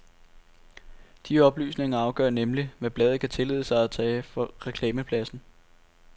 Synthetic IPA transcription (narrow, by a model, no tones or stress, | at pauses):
d̥iɒ̽b̥ly̰ːsne̝ŋɐɑ̈ʊɡ̥ɶ̰ɐ̰nemliʋæb̥lɛːð̞̩ˠkʰæt͡sʰe̝lḛðˠəsɑ̈ɪæt͡sʰɛːfɒ̽ʁɛkʰlɛːməpʰlæsn̩